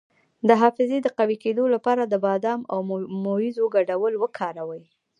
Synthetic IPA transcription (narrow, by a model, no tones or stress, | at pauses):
d̪əɦɑfɪzed̪əqawiked̪olapɑɾad̪əbɑd̪ɑmawmojizoɡaɖawəlwəkʰɑɾawəj